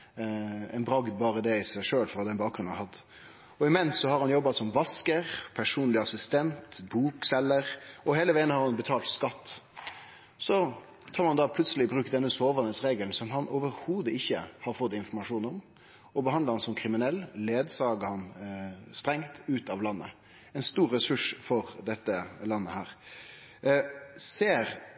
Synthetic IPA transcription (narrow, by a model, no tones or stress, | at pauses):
ɛ̰ɪnbɾɑɡd̪̚bɑːɾəd̪ɛɪsæɪʂøːlfɔʁd̪ɛnbɑːk̚ɡɾʉnhɑd̪ | ɔɪmɛnsːɔhɑɾhɑnjɔbːɑsɔmʋɑskəɾpʰæʂuːnlɪɑsɪst̪ɛnt̪buːksɛlːəɾɔheːləʋæɪənəhɑɾhɑnbət̪ʰɑːlt̪skɑt̪ː | sɔ | t̪ʰɑːɾmɑnd̪ɑpʰlʉt̪səlɪbɾʉːkd̪ɛnːəsoːʋɑnəsʁeːɡəln̩sɔmhɑnʔɔːʋəɾhuːd̪əɪçːə̰hɑɾfɔt̪ːɪnfɔɾmɑʂuːnɔm | ɔbəɦɑnd̪ləɾhɑnsɔmkʰɾɪmɪnɛlːleːd̪sɑːɡəhɑnst̪ɾɛŋt̪ʉːt̪ɑʋlɑnːə̰ | ɛɪnst̪uːɾːɛsʉʂfɔɾd̪ɛt̪ːəlɑnːəhæːʁ | seːɾ